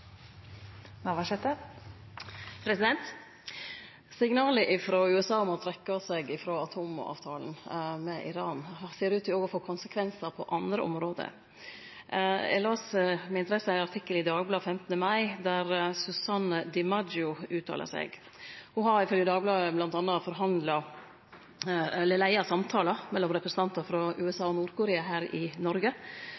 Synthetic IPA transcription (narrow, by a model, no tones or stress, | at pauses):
nɑʋɑʃɛt̪ə | pʰɾɛsɪd̪ɛnt̪ | sɪŋnɑːləʔɪfɾoːʉːɛsɑːʊmɔt̪ʰɾɛkːəsɛɡɪfɾoːɑt̪ʰoːmɔ̰ɑ̰ːʋt̪ʰɑ̰ːln̩mɛʔɪ̰ɾɑːnhseːɾʉːt̪ɪoːɡɔfoːkʰʊnsəkʰʋɛnsəpʰɔʔɑnd̪ɾəʔɔ̰mɾoːd̪ə̰ | ɛ̰loːsmɛɪnəɾɛsəæɑɾt̪ʰɪkːəlɪd̪ɑːɡblɑːfɛmt̪nəmɑɪd̪æɾsʉsɑnd̪ɪmɑd͡ʒʊʉːt̪ʰːɑ̰ːlʔə̰sɛ̰ɡ | hʊɦɑɾɪfœlɡjəd̪ɑːɡəblɑːəblɑnt̪ɑnːɑfɔɾɦɑnd̪lɑ | ɛlːəlæɪɑsɑmt̪ʰɑːləmɛlːɔmɾɛpɾəsn̩t̪ɑnt̪ɑfɾɑʉːɛsɑːɔnuːɾkʊɾeːɑɦæːɾɪnɔɾɡə